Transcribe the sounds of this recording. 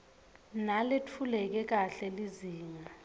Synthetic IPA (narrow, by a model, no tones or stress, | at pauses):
naletʰulɛk̬ɛk̬ʼaɬɛliziːŋa